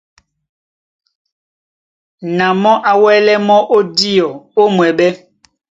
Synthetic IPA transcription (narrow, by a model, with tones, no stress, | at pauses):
nã˨mɔ̃˦ʔa˨wɛ˦lɛ˦mɔ˦ʔo˦di˦ɔ˨o˦mwɛ˨ɓɛ˦